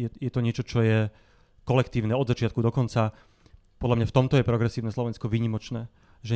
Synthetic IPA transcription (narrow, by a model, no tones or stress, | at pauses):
jɛjɛt̪ɔɲɪɛt͡ʃɔt͡ʃɔjɛ | kɔlɛkt̪iːʊnɛɔd̪zat͡ʃɪat̪̚kud̪ɔkɔnt͡sa | pɔd̪lamɲaft̪ɔmt̪ɔjɛpɾɔɡɾɛsiːʊnɛslɔʋɛnskɔʋiːɲimɔt͡ʃnɛː | ʒɛ